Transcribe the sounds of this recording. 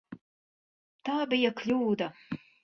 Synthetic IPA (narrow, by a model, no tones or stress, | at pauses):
t̪ɑːbijɐklʲuːd̪ɐ